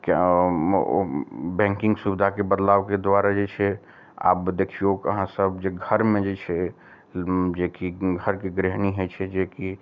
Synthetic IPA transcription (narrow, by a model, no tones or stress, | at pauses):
kja | bɛ̃ŋkɪ̃ŋɡsubd̪ʱakebəd̪lawked̪waɾad͡ʒet͡ʃʰɛ | a̰ːpd̪ekʰiokəɦãsəbd͡ʒeɡʱəɾmẽd͡ʒet͡ʃʰɛ | d͡ʒekiɡʱəɾkeɡɾeɦniɦəjt͡ʃʰɛd͡ʒeki